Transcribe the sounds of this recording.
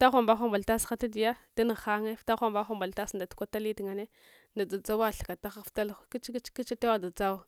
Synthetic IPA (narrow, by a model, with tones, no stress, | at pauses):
ta˦xʷa˨mba˦xʷa˦mba˨lta˦sxa˦ta˦di˨ja˦d̥a˦ni˨ɣxa˦ŋe˦fta˦xʷa˦mba˦xʷa˦mba˨lta˦sn˨da˨tu̥˦kʷa˦ta˦li˦ti˨ŋa˨ne˦ | na˨d͡za˨d͡za˦wa˦˨ɬḁ˨ka˨ta˦xa˦fta˦li˦t͡ʃki˦t͡ʃki˦t͡ʃa˦ta˦wa˦da˨d͡za˦w